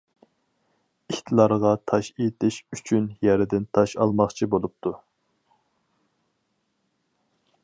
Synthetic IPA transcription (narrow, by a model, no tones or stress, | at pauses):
içʲt̪ʰlˠɑɾʁɑt̪ʰɑʃet̪ʰɪʃyt͡ʃʰynjæɾɪd̪ɪnt̪ʰɑʃɑ̰lˠmɑχt͡ʃʰibolˠup̚t̪ʰu